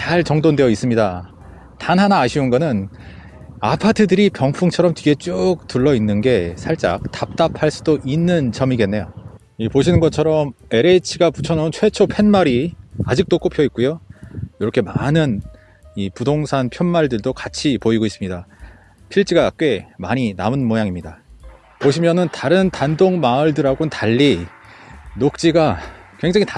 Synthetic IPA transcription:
t͡ɕaɭt͡ɕʌŋdonde̞jʌis͈ɯmɲida | tanɦanaːɕʰiunɡʌnɯn | apʰatʰɯdɯɾipjʌŋpʰuŋt͡ɕʰʌɾʌmtiɡe̞t͡ɕ͈uk̚t͈uɭːʌinːɯnɡe̞sʰaɭt͡ɕ͈a̰k̚tap̚t͈apʰaɭs͈udoʔinːɯnt͡ɕʌmiɡe̞nːe̞jo | ipoɕ̬ʰinɯnɡʌt͡ɕʰʌɾʌme̞ɾet͡ɕʰiɡaput͡ɕʰʌnʌunt͡ɕʰwe̞t͡ɕʰopʰe̞nmaɾiad͡ʑik̚t͈ok͈opʰjʌit̚k͈ujojoɾʌkʰe̞manɯn | ipudoŋsʰanpʰjʌnmaɭdɯɭdokat͡ɕʰipoiɡois͈ɯmɲida | pʰiɭt͡ɕ͈iɡak͈we̞maɲinamɯnmojaŋimɲida | poɕʰimjʌnɯntaɾɯntandoŋmaɯɭdɯɾaɡontaʎːi | nok̚t͡ɕ͈iɡakwe̞ŋd͡ʑaŋit

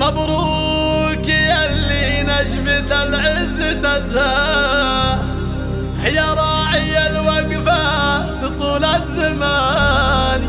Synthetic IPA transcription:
mabɾu | kijalːi | nad͡ʒmɪt̪alʕɪzɪt̪azha | hɪjaɾˤɑːʕɪjːalwaɡfa | t̪ɨt̪ˤuːlazːama | n

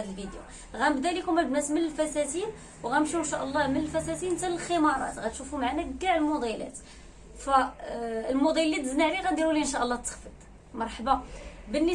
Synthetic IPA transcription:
d̪əlvid̪jṵ | ɣæməbd̪ælikumæbnæsmənəlfæsæt̪in | wɣæmʃinʃæʔəlˤːɑmənəlfæsæt̪int̪æəlxəmɑɾˤɑ̰t̪ɣæt̪ʃufumʕanæɡaʕləlmod̪ˤælæ̰t̪ | fæ | lmud̪ˤilːit̪əznaʕliɣæd̪iɾuliʔənʃæʔəlˤːɑt̪ːə̥xfəd̪ˤ | mɑɾˤħbɑbənːə

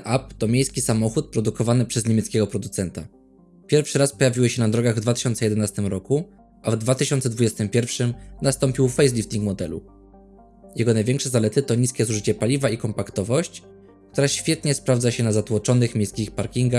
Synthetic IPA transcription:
ʔapt̪ɔmʲjejskʲisamɔxut̪̚pɾɔd̪ukɔvanɘpʂɛzɲemʲjɛt̪skʲɛɡɔpɾɔd̪ut̪sɛnt̪a̰ | pʲjɛɾfʂɘɾaspɔjavʲiwɘɕɛnad̪ɾɔɡaɣvd̪vat̪ɘ̥ɕɔnt̪sɛjɛd̪ɛnast̪ɘmɾɔku | ʔavd̪vat̪ɘɕɔnt̪sɛd̪vud͡ʑɛst̪ɘmpʲjɛɾfʂɘmnast̪ɔmpʲiwfɛjs̬lʲift̪ʲiŋkmɔd̪ɛlṵ | jɛɡɔnajvʲjɛŋkʂɛzalɛt̪ɘt̪ɔɲiskʲɛzuʐɘt͡ɕɛpalʲivaikɔmpakt̪ɔvɔɕt͡ɕ | k̚t̪uɾaɕfʲjɛt̪ɲɛspɾavd̪zaɕɛnazat̪wɔt͡ʂɔnɘxmʲjejskʲixpaɾkʲiŋɡax

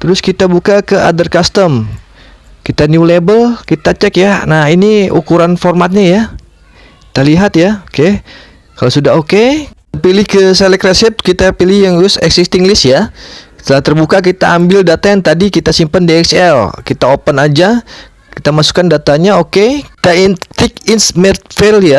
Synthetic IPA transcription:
t̪əɾʊskit̪abukakəʔa̰dərkast̪əm | kit̪anjulebəlkit̪at͡ʃɛkjanahiniukuɾanformat̪̚ɲaja | kki̥t̪aliɦat̪jaoke | kalosudaɦoke | pilɪhkəselɛkresɛt̪̚kit̪apilɪhjaŋʊsɛ̰ksist̪iŋɡlɪsjat̪əlaht̪ərbukak̬it̪aːmbɪldat̪ajant̪adikit̪asimpəndiɛksɛlkit̪aopənad͡ʒa | kit̪amasu̥kandat̪aɲaokeki̥t̪aint̪ɪkinsmɛt̪felja

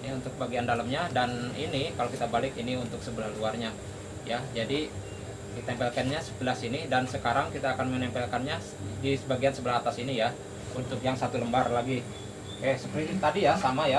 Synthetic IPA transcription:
aunt̪ʊk̚baɡiandalamɲadaninikalokit̪abalɪkiniunt̪ʊksəbəlahluarɲa | jad͡ʒadi | kit̪aɛmpɛlkanɲasə̥bəlasinidansəkaɾaŋkit̪aːkanmənɛmpɛlkanɲa | disəbaɡiansəbəlaɦat̪asinija | unt̪ʊkjaŋsat̪uləmbarlaɡi | kajasəpɾit̪adijasamaja

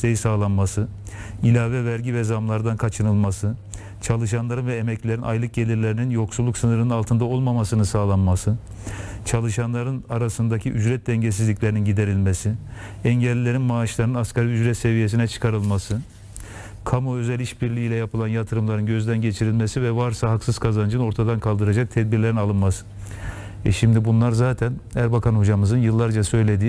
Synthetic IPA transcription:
t̪ejisaːlˠanmasɯ | ilʲaːvɛvæɾɟivɛzamlˠaɾd̪ankʰat͡ʃʰɯnɯlˠmasɯ | t͡ʃʰalˠɯʃanlˠaɾɯnvɛemɛclʲe̞ɾinʔajlˠɯk̚ɟe̞lʲiɾlʲe̞ɾininjo̞ksulˠːuksɯnɯɾɯnɯnalˠt̪ʰɯnd̪ao̞lˠmamasɯnɯsaːlˠanmasɯ | t͡ʃʰalˠɯʃanlˠaɾɯnaɾasɯnd̪acʰiʔyd͡ʒɾɛt̪̚d̪ɛɲɟes̬izlʲicʲlʲeɾininɟid̪e̞ɾilʲmesi | ɛɲɟɛlʲːilʲe̞ɾinmaːʃlˠaɾnɯnaskaɾiyd͡ʒɾɛt̪se̞vijes̬inɛt͡ʃʰɯ̥kʰaɾɯlˠmasɯ | kʰamoø̞zɛlʲiʃbiɾlʲiilʲɛjapʰɯlˠanjat̪ʰɯɾɯmlˠaɾɯnɟø̞zd̪ænɟet͡ʃʰiɾilʲmesivɛvaɾsaɦaksɯz̥kʰazand͡ʒɯno̞ɾt̪ʰad̪ankʰalˠd̪ɯɾad͡ʒak̚t̪ʰɛd̪̚biɾlʲeɾinalˠɯnmasɯ̥ | ɛʃimd̪ibunlˠaɾzaːt̪ʰænæɾbakʰanhod͡ʒamɯzɯnjɯlˠːaɾd͡ʒasø̞jlʲe̞d̪iː

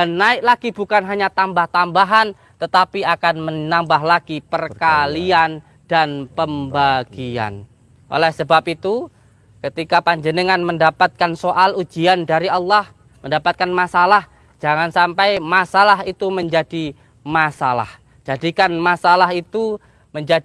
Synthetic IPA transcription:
danːaɪk̚laɡibukanɦaɲat̪ambaht̪ambaɦan | t̪ət̪apiakanmənambaɦlaɡ̥ipərkalian | d̥anpəmbaɡ̥ia̰n | ʔo̰lɛhsəbap̚it̪u | kət̪ikapaɲd͡ʒənəŋanməndapat̪̚kansoʔalud͡ʒiandaɾiɑlːɑh | məndapat̪̚kanmasalah | d͡ʒaŋansampajmasalaɦit̪uməɲd͡ʒadi | masala̰h | d͡ʒ̥adikanmasalaɦit̪u | məɲd͡ʒadi

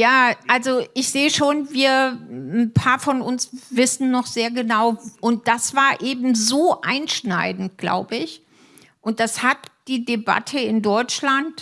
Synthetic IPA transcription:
jaːʔalzoʔɪçz̥eːəʃoːnviːɐn̩pʰaːɐfɔnʊnsv̥ɪsn̩ːɔχz̥eːɐɡənaʊʔʊnt̚d̥asv̥aːɐʔeːbm̩zoːʔaɪnʃnaɪdn̩t̚ɡ̥la̰ʊbəɪç | ʔʊnt̚d̥ashatd̥iːdeba̰tʰəɪndɔʏt͡ʃlant

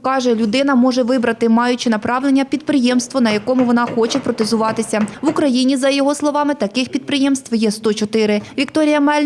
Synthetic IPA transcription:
kɑʒɛlʲʊd̪ɪnɐmɔʒɛʋɪbɾɐt̪ɪmɑjʊt͡ʃɪnɐpɾɑʋlˠenʲːɐpʲid̪̚pɾɪjɛmst̪ʋɔnɐjɐkɔmʊʋɔnɑxɔt͡ʃɛpɾɔt̪ezʊʋɑt̪ɪsʲɐʋʊkɾɐjinʲizɐjɔɦɔslˠɔʋɑmɪt̪ɐkɪxpʲid̪̚pɾɪjɛmst̪ʋjɛst̪ɔt͡ʃɔt̪ɪɾɪʋʲikt̪ɔɾʲijɐmɛlʲ

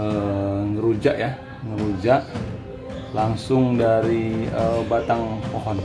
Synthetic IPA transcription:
əŋəɾud͡ʒaʔja | ŋəɾud͡ʒaʔ | laŋsʊŋdaɾiəbat̪aŋpoɦɔn

